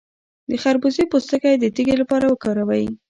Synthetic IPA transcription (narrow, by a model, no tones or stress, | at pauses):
d̪əxaɾbusepost̪əkajd̪ət̪iɡelapɑɾawəkɑɾawaji